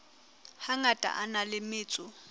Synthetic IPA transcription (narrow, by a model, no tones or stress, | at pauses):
haŋatʼa̰ʔanalɪmɪːt͡sʼʊ